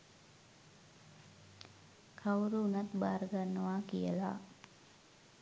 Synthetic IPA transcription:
kʰawɾuːnat̪baːɾɡanːəʋaːkijə̰la̰

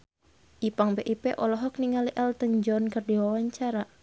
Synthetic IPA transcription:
ʔipaŋbeʔipɛʔɔlɔɦɔk̚niŋaliʔɛlt̪əɲd͡ʒɔnkərdiwawaɲt͡ʃaɾa

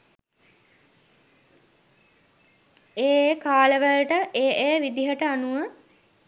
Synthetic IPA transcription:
eːeːkaːləʋəlʈəʔeːʔeːʋid̪iɦəʈəanuʋə

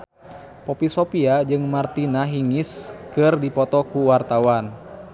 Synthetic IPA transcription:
pɔpisɔpiad͡ʒɨŋmart̪inaɦiŋɪskɨrdipɔt̪ɔkuwart̪awan

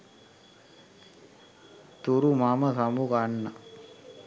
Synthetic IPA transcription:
t̪uɾumaːmɐsɐmukaːɳːa

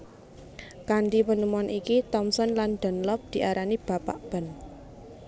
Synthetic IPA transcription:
kanɖiwənəmuanʔikit̪ɔmsɔnlanɖ̪̥ə̤nlɔp̚d̪̥i̤ʔaɾanib̥a̤paʔb̥ə̤n

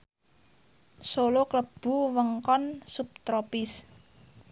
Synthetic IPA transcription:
solokləb̥ṳwəŋkɔnsup̚t̪ɾopɪs

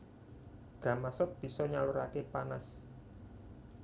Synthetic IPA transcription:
ɡ̥ä̤masʊk̚b̥i̤sɔɲaluɾakepanas

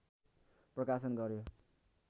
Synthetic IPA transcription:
prʌkas̬ʌnɡʌɾjo

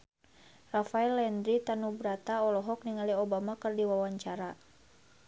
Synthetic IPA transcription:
rafaɛlɛnd̪ɾit̪anubɾat̪aɔlɔɦɔk̚niŋaliɔbamakɨrdiwawaɲt͡ʃaɾa

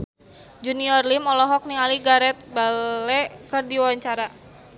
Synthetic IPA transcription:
d͡ʒuniɔrlimɔlɔɦɔk̚niŋaliɡaɾɛt̪̚balɛkərdiwwaɲt͡ʃaɾa

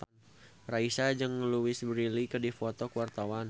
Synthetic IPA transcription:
raisad͡ʒɨŋluɪsbɾilikədifɔt̪ɔkuwart̪awan

